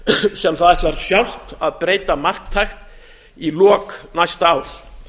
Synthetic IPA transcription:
sɛmθaðɛht̪laɾsjawl̥t̪aðpɾeːjt̪amar̥k̚t̪ʰːajxt̪ | ilɔːknajst̪als

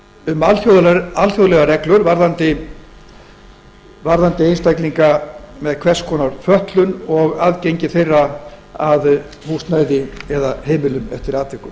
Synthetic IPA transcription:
ʏmalθjoːðalθjowðlɛɣarɛklʏɾvaɾðant̪ɪ | vaɾðant̪ɪejnst̪ajkliŋkamɛðkʰvɛr̥skʰɔnaɾ̥fœht̪lʏnɔɣaðcejɲcɪθejrːaað | huːst̪naːjðɪɛðaheːjmɪlʏmɛ̰ft̪ɪɾaːt̪vɛhkʏm

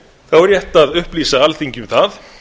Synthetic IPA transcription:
θawɾjɛht̪aðʏhpliːsaalθiɲcʏmθað

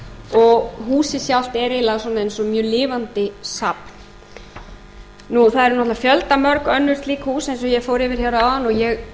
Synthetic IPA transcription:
ɔɣɦuːsɪsjawl̥t̪ɛɾɪlaɣswɔːnaejnsɔmjœːlɪːvant̪ɪsapn | nuθaðɛɾnɔt̪lafjœlt̪amœɾkœnːʏ̥st̪liːkhuːsejns̬ɔjɛfoːwɾɪːvɪɾ̥çawɾaaðanɔɣjɛɣ

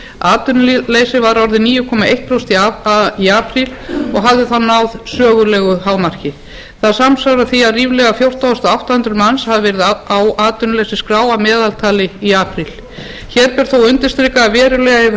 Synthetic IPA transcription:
aːt̪ʏnleːjsɪvaɾɔɾðɪniːjʏkʰɔːmaʔejht̪ɾost̪iaiaːpɾilɔɣɦavðɪθanːawðsœːɣʏlɛːɣʏhaːwmar̥cɪ | θaðsamsawɾaθiaðriːvlɛɣafjowr̥t̪awʏst̪aawht̪ahʏnt̪ɾʏɾmanshaðɪvɛɾɪðaawaːt̪ʏnlejsɪskɾaːwamɛːðalt̪ʰaːlɪiaːpɾil̥ | çɛɾpɛɾ̥θowʏnt̪ɪ̥st̪ɾɪkavɛːɾʏlɛɣaɪ

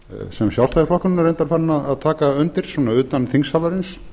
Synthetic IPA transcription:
sɛmsjawlst̪aðɪɾfʰlɔhkʏnnaɾejnt̪aɾ̥faɾnaðaðt̪ʰaːkaœnt̪ɪɾ̥swɔːnaʏːt̪anθiŋsalaɾɪns

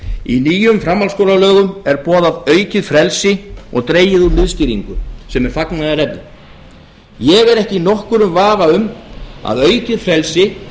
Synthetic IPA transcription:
ḭniːjʏmfɾamːalskowlalœːɣʏmɛɾpɔːðavœːɥcɪðfɾɛlsɪɔ̰ɣt̪ɾeːjɪðunɪðscɪɾiŋkʏsɛmɛɾ̥faknaðarɛpnɪm | jɛɣɛɾɛhcɪinɔhkʏɾʏmvaːvaʏma̰ðœːɥcɪðfɾɛlsɪ

